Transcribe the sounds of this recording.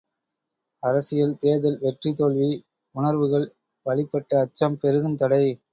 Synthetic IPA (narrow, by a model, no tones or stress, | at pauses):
ɐɾɐsɪjɐlt̪eːðɐlʋɛʈrit̪ːoːɭʋi | ʊɳɐɾʋɯɣɐɭ | ʋɐɭɪpːɐʈːɐːt͡ʃːɐmpɛɾɯðɐnt̪ɐɽɐɪ